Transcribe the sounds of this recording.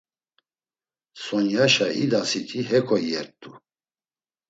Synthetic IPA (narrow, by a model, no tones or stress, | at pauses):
sɔnjaʃaid̪asit̪ʰiɦɛkʰɔɛɾt̚t̪ʼu